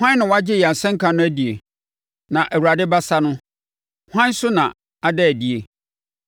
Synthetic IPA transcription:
hʷã˦n˦nɪ̃˨wa˦d͡ʑɪ˦jɛ˨a˨sɛ̃˦ŋ̩˦kʰã˨nʊ̃˦æ˦di˨e˨ | nã˨ʔæ˨wu˨ɾa˨dɪ˦ba˦sa˦nʊ̃˦ | hʷã˦n˦sʊ˦nã˨ | a˨dɛ˦æ˨di˨e˨

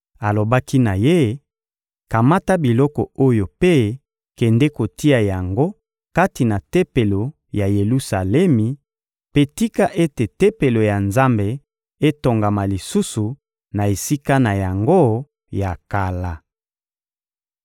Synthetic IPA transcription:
a˨lo˨ba˦ki˦na˨je˦ | ka˨ma˦ta˦bi˨lɔ˦kɔ̰˨o˦jo˨pe˦ | kɛ˨ndɛ˦ko˨ti˦a˨ja˨ŋɡo˦ | ka˦ti˨na˨te˦pe˨lo˨ | ja˨je˨lu˦sa˨lɛ˦mi˨ | pe˦ti˦ka˦ʔe˦te˨te˦pe˨lo˨ja˨nza˦mbe˨ | e˦to˨ŋɡa˨ma˨li˨su˦su˨ | na˨e˨si˦ka˦na˨ja˨ŋɡo˦ | ja˨ka˨la˨

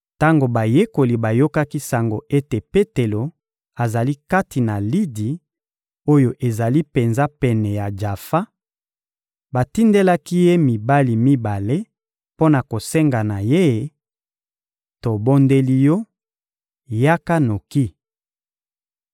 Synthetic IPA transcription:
ta˦ŋɡo˨ba˨je˦ko˨li˨ba˨jo˦ka˦ki˦sa˨ŋɡo˨ʔe˦te˨pe˦te˨lo˨ | a˨za˨li˦ka˦ti˨na˨li˦di˨ | o˦jo˨ʔe˨za˨li˦pe˨nza˦pɛ˨nɛ˨ja˨d͡ʒa˨fa˦ | ba˨ti˦nde˦la˦ki˦je˦mi˨ba˦li˨mi˦ba˨le˦ | po˦na˨ko˨sɛ˦ŋɡa˨na˨je˦˨ | to˨bo˦nde˦li˦jɔ˦ | ja˦ka˦no˨ki˦

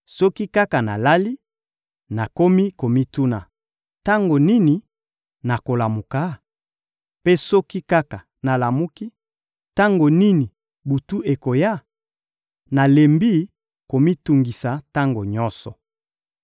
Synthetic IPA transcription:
sɔ˦ki˦ka˦ka˨na̰˨la˦li˦ | na˨ko˦mi˦ko˨mi˦tu˦na˨ | ta˦ŋɡo˨ni˦ni˨ | na˨ko˨la˨mu˨ka˨˦ | pe˦sɔ˦ki˦ka˦ka˨ | na˨la˨mu˦ki˦ | ta˦ŋɡo˨ni˦ni˨ | bu˨tu˦ʔe˨ko˨ja˦˨ | na˨le˨mbi˦ | ko˨mi˦tu˨ŋɡi˨sa˨ta˦ŋɡo˨ɲɔ˦nsɔ̰˨

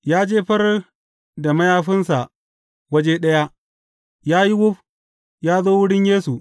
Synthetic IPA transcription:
jaː˦d͡ʒeː˦ɸɐ˦r | da˨mɐ˦jaː˦ɸɪ˦nsa˨ʔ | wɐ˦d͡ʒeː˦ɗɐ˦ja˦ | jaː˦ji˦wʊ˦ɸ | jaː˦zoː˦wʊ˦ɽɪ˦ɲjeː˦su˨

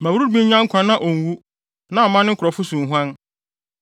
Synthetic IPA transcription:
mã˨wu˦ɾu˦ɾbĩ˦ɲã˦ŋ̩˦kʷʰã˨nã˦ʔo˨n̩˨wu˦ | nã˦ɔ˨mã˦nɪ̃˦ŋ̩˦kʰʊ˨ɾɔ˨fʊ˦sũ˨n̩˨ɦʷu˦ã˦n

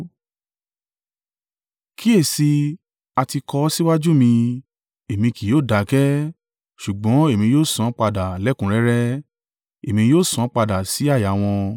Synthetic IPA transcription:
kʰi˦e˦˨si˧ | a˧ti˧kɔ˧˦si˦wa˦d͡ʒu˦mĩ˧ | e˨mĩ˧ki˨joː˦˨da˨˦kɛ˦ | ʃu˨ɡ͡bɔ̃˨˦e˦˨mĩ˧joː˦˨sɔ̃˨˧˦k͡pa˧da˨lɛ˨˦kũ˨˦ɾɛ˦ɾɛ˦ | e˨mĩ˧joː˦˨sɔ̃˨˦k͡pa˧da˨si˨˦a˦˨ja˨˦w̃ɔ̃˧

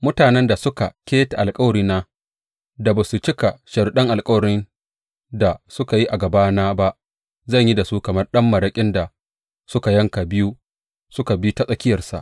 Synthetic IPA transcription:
mʊ˦taː˨nɛ˦nda˨sʊ˦ka̰˨kʲeː˦ta˨ʔa˨lkʼɐ˦wɐ˨ɾiː˨naː˦ | da˨baː˨su˨t͡ʃɪ˦ka˨ʃɐ˨rɗɐ˦ŋʔa˨lkʼɐ˦wɐ˨ɽɪ˦n | da˨sʊ˦ka˨ji˦ʔa˨ɡɐ˨baː˦naː˦ba˦ʔ | zɐ˦˨ɲji˦da˨su˦kɐ˨mɐ˦rɗɐ˦mːɐ˨ɾɐ˦kʲʼɪ˦nda˨ | sʊ˦ka˨jɐ˦ŋka˨bɪ˦ju˦ | sʊ˦ka˨bi˦ta˦˨sʼɐ˦kʲɪ˦jɐ˨rsa̰˨ʔ

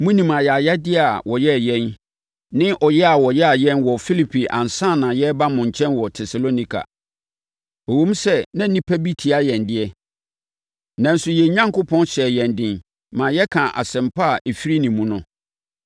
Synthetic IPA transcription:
mũ˦nĩ˨mã˨jɛ˨a˨ja˦dɪ˦˨a˨wɔ˨jɛ˦˨jɛ̃˦n | nɪ̃˦ʔɔ˨jɛ˦a˨wɔ˨jɛ˦a˨jɛ̃˦nwɔ˨fi˦li˦pʰi˨ʔã̰˨n˨sãː˦˨nã˨jɛ˦ba˦mʊ̃˨ɲ˨t͡ɕʰɛ̃˦nwɔ˨tʰɛ˨sa˨lo˦nĩ˦kʰa̰˨ | o˨wũ˦m˦sɛ˦nã˦nĩ˦pʰæ˦bi˦tʰi˨a˦jɛ̃˨ndɪ˦ɛ˦ | nã˨n̩˦sʊ˦jɛ˨ɲã˦ŋko˦pʰɔ̃˦nɕɛ˨jɛ̃˨ndɪ̃˨n | mãː˨jɛ˦kʰã˨ʔa̰˨sɛ̃˨mpʰa˦a˨ʔe˨fi˦ɾi˦nĩ˨mũ˦nʊ̃˦

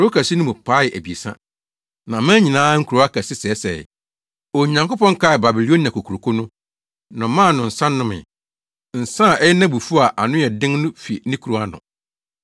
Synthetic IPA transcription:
ɾo˦kʰæ˨si˦nʊ̃˦mʊ̃˨pʰa˦jɪ˨ʔæ˨bi˨e˨sã̰˦ | nã˨mã˦ɲĩ˨nãː˦ŋ̩˦kʰu˨ɾo˨˦a˦kʰæ˨sɪ˦sɛ˦sɛ̰˨ | o˨ɲã˨ŋko˦pɔ̃˦ŋ˦kʰa˦˨ba˨bi˨li˦o˦n˨ã˨kʰo˨kʰu˨ɾo˨kʰo˦nʊ̃˦ | nã˨mã˦˨nʊ̃˨n̩˨sã˦nːʊ̃˦mɪ̰̃˨ | n̩˨sã˦˨ɛ˦jɛ˦nã˦bu˨fu˦a˨ʔa˨nʊ̃˦jɛ˨dɪ̃˦ŋnʊ̃˦fi˨nɪ̃˦kʰu˨ɾo˨˦a˦nʊ̰̃˨

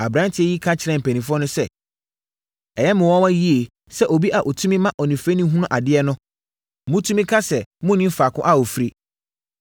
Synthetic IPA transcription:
a˨bɾã˦ntʰɪ˨˦ɛ˦ji˦kʰa˦t͡ɕʰɪ˨ɾɛ̃˦m̩˨pʰæ˨nĩ˨fʊ˦ɔ˦nʊ̃˦sɛ˦ | ɛ˨jɛ˦mʊ̃˨wɔ̃˦wã˦ji˦e˨ | sɛ˦ʔo˨bi˦ʔa˨ʔɔ˨tʰũ˦mĩ˦mã˦ʔɔ˨nĩ˨fe˦nĩ˦ɦũ˦nʊ̃˦ʔa˨dɪ˦ɛ˦nʊ̃˦˨ | mʊ̃˦tʰu˦mĩ˦kʰa˦sɛ˨mʊ̃˦nɪ̃˦m̩˦fa˨kʰʊ̃˦ʔa˦wo˨fɾi˦

